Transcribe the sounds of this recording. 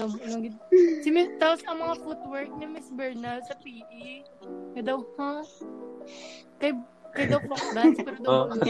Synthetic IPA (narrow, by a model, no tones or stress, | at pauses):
ɐmɐɡɪsɪmɪt̪aposɐŋmɐŋafut̪̚wɛɹk̚nɪmɪsbɛɹnɐlsɐpiːʔi | kɐjd̪ɐwha | kɐj | kɐjd̪ɐwfɐk̚d̪ɐspɛːɾod̪ɐwmɐ